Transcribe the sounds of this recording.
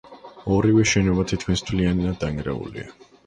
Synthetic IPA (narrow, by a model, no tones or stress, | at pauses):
ɔɾivɛʃɛnɔvat̪ʰit̪̚ʰkʰinst̪ʰvlianinad̪aŋɡɾɛ̰ṵlḭa